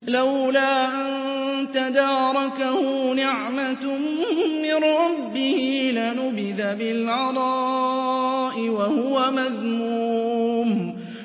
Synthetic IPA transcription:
lawlaːʔant̪ad̪ɑːɾˤɑkahʊnɪʕmamːɪnɾˤɑbːɪhɪlanʊbɪðabɪlʕɑɾˤɑ | ʔɪwahʊwamaðmuːm

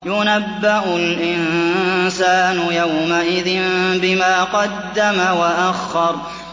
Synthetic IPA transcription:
jʊnabːaʔʊlʔɪnsaːnʊjawmaʔɪðɪnbɪmaːqɑd̪ːamawaʔaxːɑɾˤ

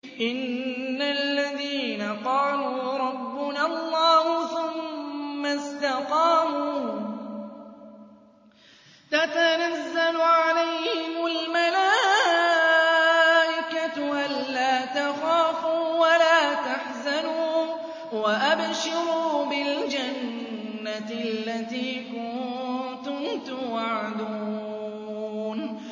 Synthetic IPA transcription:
ʔɪnːalːaðiːnaqɑːluːɾˤɑbːʊnalˤːɑːhʊθʊmː | ast̪aqɑːmuː | t̪at̪anazːalʊʕalajhɪʊlmalaː | ʔɪkat̪ʔalːaːt̪axaːfuːwalaːt̪aħzanuː | waʔabʃɪɾuːbɪld͡ʒanː | alːat̪iːkʊt̪ʊmt̪ʊwaʕad̪u | n

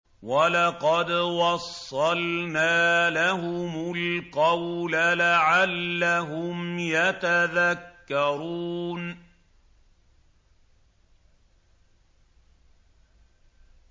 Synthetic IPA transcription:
walɑqɑd̪wɑsˤːɑlnaːlaɦʊmʊlqɑwlalaʕalːaɦʊmjat̪aðakːɑɾuːn

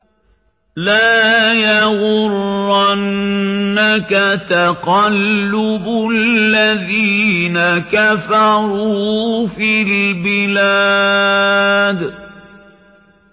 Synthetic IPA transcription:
laːjawʊɾʔanː | akat̪aqɑlːʊbʊlːaðiːnakafɑɾˤuːfilbɪlaː | d̪

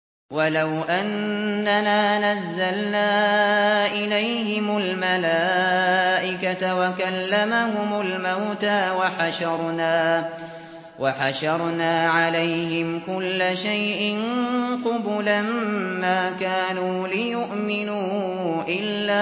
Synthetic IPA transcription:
walawʔanːanaːnazːalnaː | ʔɪlajhɪmʊlmalaːʔɪkat̪awakalːamahʊmʊlmawt̪aːwaħaʃɑɾˤnaː | waħaʃɑɾˤnaːʕalajɦɪmkʊlːaʃajʔɪnqʊbʊlammaːkaːnuːlɪjʊʔmɪnuː | ʔɪlːaː

